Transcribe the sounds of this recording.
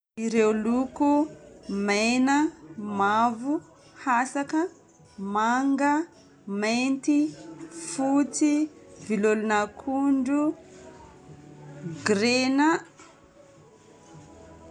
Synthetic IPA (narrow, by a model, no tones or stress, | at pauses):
iɾewlukumejnəmavu | hasakə | maŋɡə | mejnt̪ifut͡sivilolunakʰuɳɖ͡ʐu | ɡɾena